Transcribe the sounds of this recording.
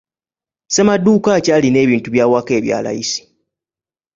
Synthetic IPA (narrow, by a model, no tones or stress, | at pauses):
se̞madːuːkacaːline̞ːβiːntuβjaːwake̞ːβja̰ːla̰jḭsi̥